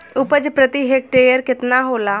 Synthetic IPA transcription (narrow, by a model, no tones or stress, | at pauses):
ʊpəd͡ʒpɾət̪iɦek̚ʈeːjəɾkɪt̪naɦoːlaː